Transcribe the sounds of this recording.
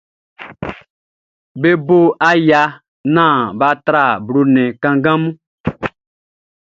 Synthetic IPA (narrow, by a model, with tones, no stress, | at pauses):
be˦bo˦a˦ja˨ | nãː˦˨ba˦tɾa˦˨bɾo˨nɛ̃˨kã˨ŋɡã˦mũ˦